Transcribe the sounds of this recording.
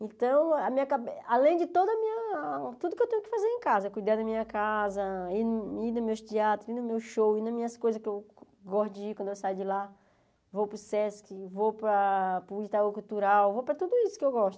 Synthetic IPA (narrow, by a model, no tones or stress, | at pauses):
ẽt̪ɐ̃w̃ɐmĩɲɐkabealẽj̃d͡ʒɪt̪od̪ɐmĩɲɐt̪ud̪ʊkɪewt̪ẽɲ̃jʊkɪ̥fazeɾẽj̃kazɐkujd̪ad̪ɐmĩɲɐkazɐininʊmewst͡ʃ̪iat̪ɾʊinʊmewʃowinɐ̃mĩɲɐskojzɐskɪew | ɡɔst̪d͡ʒɪikwɐ̃nd̪ʊewsajd͡ʒɪla | vowpɾʊsɛskɪvowpɾɐpɾʊid͡ʒt̪aɡokut̪uɾawvowpɾɐt̪ud̪ʊisʊ̥kɪewɡɔʃt̪ʊ